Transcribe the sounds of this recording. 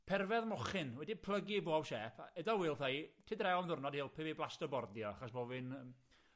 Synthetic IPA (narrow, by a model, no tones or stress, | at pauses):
pʰɛrvɛðmɔχɪnwɛdipʰlˠəɡiboawʃɛːpʰa̰ʔɛdɔwiːlˠθajtʰɪdrɛwmðʊrnɔdhɪlˠpʰɨviblˠastəbɔrdjɔaχɔsbovɨnəm